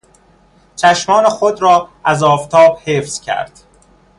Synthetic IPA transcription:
t͡ʃʰæʃmɒːnexod̪ɾɒːæzɒːft̪ʰɒːb̥heːfz̥cʰæ̰ɾd̪̥

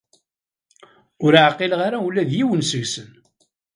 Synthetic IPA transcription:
ʊɾʕqilʁaɾawlːæðjiwənsəɣsən

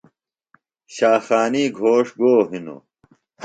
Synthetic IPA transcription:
ɕaːxaːniːɡʱoːʂɡoːɦino̰

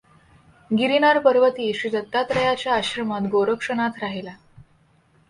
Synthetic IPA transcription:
ɡiɾinaɾpəɾʋət̪iːɕit̪ət̪ːat̪ɾəjat͡ɕjaːɕɾəmat̪ɡoɾəkʂənat̪ɾaɦila

